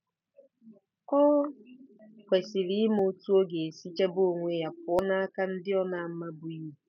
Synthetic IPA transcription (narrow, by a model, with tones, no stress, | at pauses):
kɔ˦ | kʷe˨sɪ˨ɾi˦mo˦tu˦o˦ɡe˨e˨si˦t͡ʃe˦bo˦o˨ŋʷe˦ja˨p̚ʊ˨˦ɔ˦na˦a˦ka˦n̩˦dɪ˦ɔ˦na˨m̩˦ma˦bʊ˨i˦u˨